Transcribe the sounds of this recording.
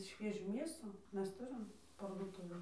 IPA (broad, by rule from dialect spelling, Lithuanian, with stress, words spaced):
ˈʃʲʋʲiɛʒʲuː ˈmʲeːsuː ˈmʲɛs ˈtʊrʲɪm pɐrduɔˈtʊʋʲeːn